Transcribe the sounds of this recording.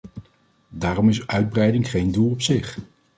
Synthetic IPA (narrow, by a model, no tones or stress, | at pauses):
daːrɔmɪsœɥd̚brɛjdɪŋχejndulˠɔpsɪχ